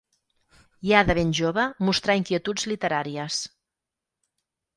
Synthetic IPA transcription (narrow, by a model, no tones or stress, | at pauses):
jaðəβ̞enʲʒoβəmust̪ɾaiŋkiət̪ud͡zlit̪əɾaɾiəs